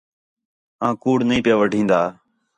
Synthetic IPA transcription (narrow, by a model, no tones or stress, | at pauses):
ãːkuːɽnĩːpɪjaːʋəɖʱĩːnd̪aː